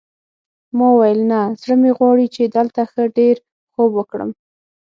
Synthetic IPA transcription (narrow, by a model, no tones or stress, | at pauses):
mɑwajəlnazɽəmeɣwɑɽit͡ʃed̪əlt̪axəɖeɾ | xobwəkɽə̰m